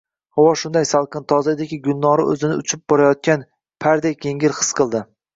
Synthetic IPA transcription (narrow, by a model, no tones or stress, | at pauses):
hɒwɒʃʊnd̪ajsalˠqʰɨnt̪ʰɒzad̪aɡʲɪɡʲʊlˠnɒɾɪʔɵ̰zɪnɪʊt͡ʃʰɪp̚bɒɾajɒt̪̚kʲan | pʰaɾd̪ekʰʲe̞ŋʲɪɾχɨ̥sqʰɨlˠd̪ɪ